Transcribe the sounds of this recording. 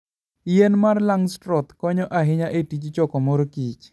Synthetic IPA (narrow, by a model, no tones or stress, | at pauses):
ijenmarlaŋstɾɔt̪kɔɲɔʔaɦɪɲaʔetit͡ʃt͡ʃɔkɔmoɾkit͡ʃ